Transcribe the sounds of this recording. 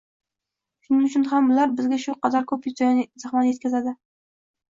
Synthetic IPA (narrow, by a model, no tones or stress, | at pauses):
ʃʊnɪŋʊt͡ʃʰʊnɦamʊlaɾbɪzɡʲaʃʊqɑzɑɾkʰɵpjʊzd̪ajnɪzɪχmanjet̪̚kʲazad̪ɪ